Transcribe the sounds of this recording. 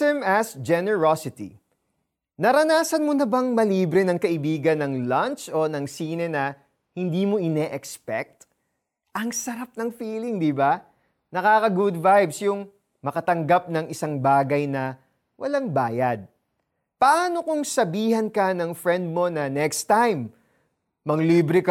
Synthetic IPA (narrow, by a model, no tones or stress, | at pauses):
ɛmɐsd͡ʒɛnɛɹosɪt̪ḭ | nɐɾɐnaːsɐnmonɐbɐŋmɐliːbɾɛnɐŋkɐʔɪbiːɡɐnɐŋlɐnt͡ʃo̞nɐŋsiːnɛnɐ | hɪnd̪iːmo̞ʔɪnɛʔɛkspɛk̚t̪ | ʔɐŋsɐɾap̚nɐŋfiːlɪŋd̪ɪba | nɐkaːkɐɡud̪vajbsjʊŋ | mɐkɐt̪ɐŋɡap̚nɐŋɪsaŋbaːɡɐjnɐ | wʔɐ̰laŋbaːjɐd̪̚ | pɐʔaːno̞kʊŋsɐbiːhɐnkɐnɐŋfɾɛnd̪̚mo̞nɐnɛkst̪ajmː | ɐŋliːbɾɪk